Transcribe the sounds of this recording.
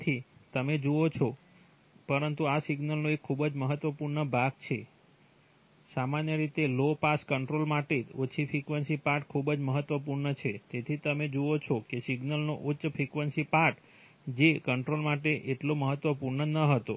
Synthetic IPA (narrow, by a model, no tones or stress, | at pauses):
t̪ʰit̪əmed͡ʒoot͡ʃʰo | pəɾənt̪uasiɡnəlnoekʰːubəd͡ʒməɦət̪ʋəpuɾɳəbʱaɡt͡ʃʰe | samanjəɾit̪elopaskəɳʈɾolmaʈeot͡ʃʰifʰɾikʋənsipaɾʈkʰubd͡ʒməɦət̪ʋəpuɾɳət͡ʃʰet̪et̪ʰit̪əmed͡ʒoot͡ʃʰokesiɡnəlnoʔutːʃfʰɾikʋənsipaɾʈ | d͡ʒekəɳʈɾolmaʈeʔeʈloməɦət̪ʋəpuɾɳənəɦət̪o